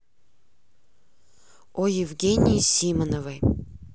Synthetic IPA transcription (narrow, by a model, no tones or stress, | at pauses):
ojɪvɡʲenʲɪjisʲimənovɨj